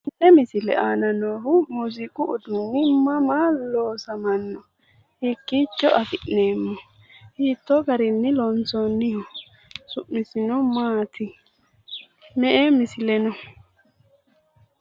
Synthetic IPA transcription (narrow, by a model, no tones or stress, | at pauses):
ʔɛmɪsɪlɛ̰ʔaːnɐnoːhʊmʊzɪkʼʊʔʊd̪ʊnːɪmɐmaːloːsɐmɐnːɔ | hikːiːt͡ʃːɔʔɐfɪʔne̞ːmːɔ | hiːt̪ːɔɡɐɾɪnːɪlɔnt͡sɔnːɪhɔ | sʊʔːɪsɪnɔmaːt̪ɪ | mɛʔemɪsɪlɛnɔ